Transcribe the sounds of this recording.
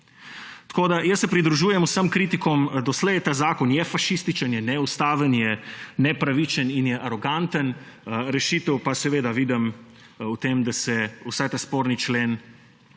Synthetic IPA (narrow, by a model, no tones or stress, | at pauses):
t̪koːd̪ajəsːɛpɾid̪ɾuʒuːjɛmusəmkɾit̪ikɔmd̪ɔslɛjt̪aːzaːkɔnjɛfaʃist̪it͡ʃənjɛnɛust̪aːʋənjɛnɛpɾaʋit͡ʃəninjɛʔaɾoɡant̪ənɾɛʃit̪ɛwpasɛʋeːd̪aʋid̪ɛm | ut̪emd̪asɛusajt̪aːspoːɾnit͡ʃleːn